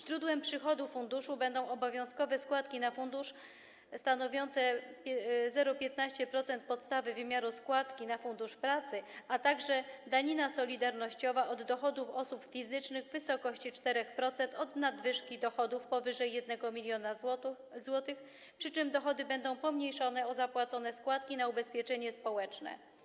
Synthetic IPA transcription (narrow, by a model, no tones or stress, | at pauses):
ɕɾud̪wɛmpʂɘxɔd̪ufund̪uʂubɛnd̪ɔ̃w̃ɔbɔvʲjɔ̃w̃skɔvɛskwat̪kʲinafund̪uʂ | st̪anɔvʲjɔnt̪sɛ | zɛɾɔpʲjɛt̪naɕt͡ɕɛpɾɔt̪sɛnt̪̚pɔt̪st̪avɘvɘmʲjaɾuskwat̪kʲinafund̪uʂpɾat̪sɘat̪aɡʐɛd̪aɲinasɔlʲid̪aɾnɔɕt͡ɕɔvaʔɔd̪ːɔxɔd̪ufɔsupfʲizɘt͡ʂnɘɣvɘsɔkɔɕt͡ɕit͡ʂt̪ɛɾɛxpɾɔt̪sɛnt̪ɔd̪nad̪vɘʂkʲid̪ɔxɔd̪ufpɔvɘʐɛjːɛd̪̚nɛɡɔmʲilʲjɔna | zwɔt̪ɘx | pʂɘt͡ʂɘmd̪ɔxɔd̪ɘbɛnd̪ɔ̃w̃pɔmɲejʂɔnɛɔzapwat̪sɔnɛskwat̪kʲinaubɛspʲjɛt͡ʂɛɲɛspɔwɛt͡ʂnɛ̰